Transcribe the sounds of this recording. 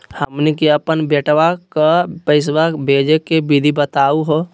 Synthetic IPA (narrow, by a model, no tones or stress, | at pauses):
həmnikiəpənbeʈʋakapəɪs̬wabʱeːd͡ʒekebid̪ʱibət̪aːuɦo